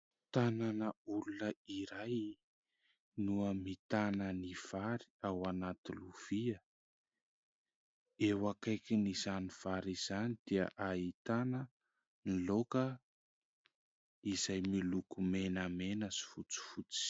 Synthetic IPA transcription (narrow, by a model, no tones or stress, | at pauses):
t̪ananəulunəiɾaj | nuəmit̪anəniv̥aɾi̥awanat̪iluv̥iə | ewakajkʲinizaniv̥aɾiz̥anid̪̥iə̰ʔait̪anə | nilokə | izajmilukumenəmenəsi̥fut͡si̥fut͡si̥